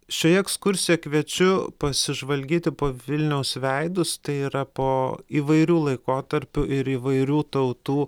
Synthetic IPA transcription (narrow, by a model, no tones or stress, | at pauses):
ʃʲoːjɛɛkskʊɾʲsʲɪjɛkʋʲiɛt͡ʃʲʊpɐsʲɪʒʋɐlʲɡʲiːt̪ʲɪpoːʋʲɪlʲnʲɛʊsʋʲɛɪd̪ʊst̪ɐɪiːɾɐpoːiːʋɐɪɾʲuːlˠɐɪkoːt̪ɐɾʲpʲʊʔɪɾiːʋɐɪɾʲuːt̪ɐʊt̪uː